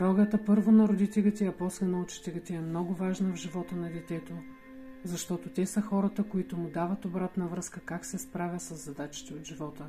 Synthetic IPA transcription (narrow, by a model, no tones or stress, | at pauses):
ɾɔɡət̪əpɤɾvonɐɾod̪it̪ɛlʲɐt̪ɛɐpɔslənɐʊt͡ʃi̥t̪ɛlʲɐt̪ʲɛɛmnɔɡʊvaʒnəvʒivɔt̪ənɐd̪ɛt̪ɛt̪o | zɐʃt̪ɔt̪ot̪ʲɛsəxɔɾɐt̪əkoit̪ʊmʊd̪avɐt̪obɾat̪nɐvɾɤskəkaksɛspɾavʲɐsɐzːɐd̪at͡ʃi̥t̪ɛod̪ʒivɔt̪ə